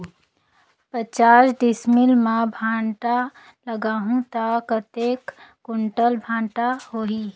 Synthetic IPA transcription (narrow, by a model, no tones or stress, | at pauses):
pət͡ʃaːsɖɪsmɪlmãbʱãːɳʈa | ləɡaːɦũt̪aːkət̪eːkː | ʊɳʈəlbʱãːɳʈahoːɦiː